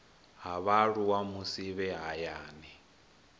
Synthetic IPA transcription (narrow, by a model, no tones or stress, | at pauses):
ɦaβaɺuwamusiβɛɦajaːnɛ